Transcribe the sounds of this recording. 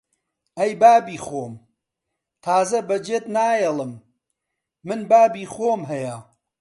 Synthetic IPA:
ɐjbaːbiːxoːm | t̪ʰaːzɐbɐd͡ʒeːt̪naːjelˠɨmː | ɨnbaːbiːxoːmɦɐjɐ

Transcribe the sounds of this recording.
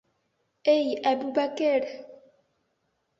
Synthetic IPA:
ejabubakɛɾ

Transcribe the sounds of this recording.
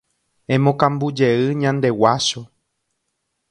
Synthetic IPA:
ẽ̞mõkãmbud͡ʒe̞ɨɲãnd̪e̞waʃo

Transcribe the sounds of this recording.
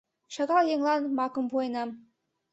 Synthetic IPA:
ʃɑɣɑljeŋlˠɑnmɑkɤ̆mpujɤnɑm

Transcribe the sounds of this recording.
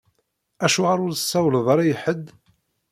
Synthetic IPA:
æʃuʁaɾʊɾəsːæwlðˤɑɾˤɑjəħəd̪

